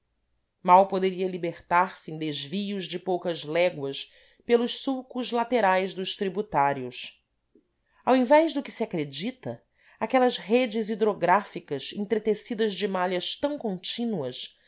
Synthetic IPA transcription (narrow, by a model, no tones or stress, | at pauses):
mawpod̪eɾiɐlibeχt̪aɾsɪẽd̪ezviʊzd͡ʒɪpowkɐzlɛɡwɐs | pelʊʃsuwkʊzlat̪eɾajzd̪ʊʃt̪ɾibut̪aɾiʊs | awẽvɛʒd̪ʊkɪ̥siakɾed͡ʒit̪ɐ | akɛlɐzɦed͡ʒɪzid̪ɾoɡɾafikɐzẽt̪ɾet̪esid̪ɐzd͡ʒɪmaljɐʃt̪ɐ̃w̃kõt͡ʃĩnuɐs